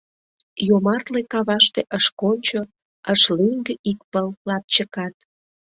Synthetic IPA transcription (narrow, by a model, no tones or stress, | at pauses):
jomɑrt̪lekɑβɑʃt̪eʔəʃkonʲt͡ɕo | əʃlyŋɡəʔik̚pəllɑp̚t͡ɕəkɑt̪̚